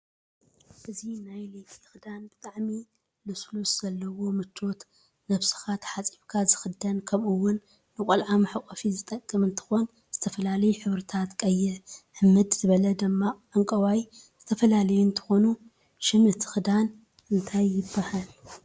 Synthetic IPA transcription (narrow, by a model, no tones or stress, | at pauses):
ʔɨzinajlekʼit̪ʰɨ̥xɨd̪anbɨt̪ʼaʕmi | luslusz̥ɐlːɐwo̞mɨt͡ʃʰːo̞t̪ | nɐβsɨ̥xat̪ħat͡sʼiβkʰazɨxɨd̪ɐnkʰɐmɨwːʊnː | ɨkʼɐlʕamɨħɨkʼɐfizɨt̪ʼɐkʼːɨmɨnt̪ʰɨ̥xo̞n | z̥ɨt̪ʰɐfɐlalɐjuħɨβɾɨt̪ʰat̪kʼɐjːɪʕʕɨmːɨd̪z̥ɨβɐlɐd̪ɨmːaʕaŋkʼɐwajz̥ɨt̪ʰɐfɐlalɐjunt̪ʰɨ̥xo̞nu | ʃɨmɨt̪ʰɨ̥xɨd̪an | ʔɨnt̪ʰajːɪbːɐhal